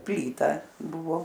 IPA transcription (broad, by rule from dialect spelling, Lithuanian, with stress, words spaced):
ˈpʲlʲiːtɐ ˈbʊʋoː